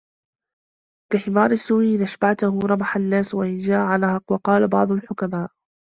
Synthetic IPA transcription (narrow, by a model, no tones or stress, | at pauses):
kaħɪmɑːɾˤɪsːuːiːʔɪnʔaʃbaʕt̪ʊhuɾˤɑmaħanːaːswaʔɪnd͡ʒaːʔʕalhɑqwɑqɑːlabɑ̰ʕd̪ˤʊlħʊkamaːʔ